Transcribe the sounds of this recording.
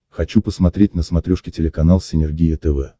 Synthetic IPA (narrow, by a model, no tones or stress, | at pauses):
xɐt͡ɕupəsmɐt̪ɾʲetʲnəsmɐt̪ɾʲoʂkʲɪtʲɪlʲɪkɐnalˠsʲɪnʲɪrɡʲijɪt̪ɛvɛ